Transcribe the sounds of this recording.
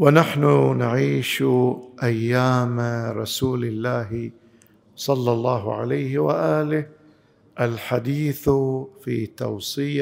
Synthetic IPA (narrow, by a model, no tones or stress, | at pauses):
wɪnaħnʊnaʕiːʃʔajːaːmɾˤɑsuːlɪlːaːɦ | sˤɑlːɑlˤːɑːɦʕa̰lajhɪwa̰ʔaːlɪh | ʔalħad̪iːθfḭːt̪ɑ̰wsˤɨ